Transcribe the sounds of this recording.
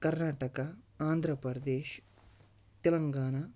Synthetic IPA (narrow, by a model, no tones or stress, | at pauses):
kɐɾnaːʈɐkɐaːnd̪ʱɾɐpɐɾɐd̪eːʃ | t̪elɐŋɡaːɳɐ